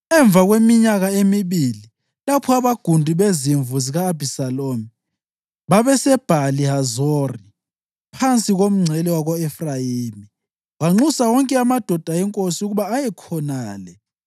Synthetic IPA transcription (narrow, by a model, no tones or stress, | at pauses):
ɛɱb̪vʱaɣwemiɲaɣaemiβili | lapʰɔaβaɡ̥ʱundʱiβeziɱvuziɣaːb̥ʱisalomi | βaβɛsɛb̥ʱaliɦazori | pʰant͡sʼiɣom̩ŋ͡ǀʱɛlɛwaɣɔɛfrajiːmi | waŋ͡ǀusawɔŋkʼɛamad̥ʱɔd̥ʱaɛŋkʼosiuɣuβaːjɛkʰɔnaːlɛ